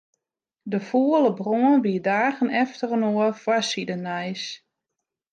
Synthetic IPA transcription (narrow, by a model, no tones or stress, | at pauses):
dəfuələbroənbiədaːɣənɛftərənoəfwasidənɛjs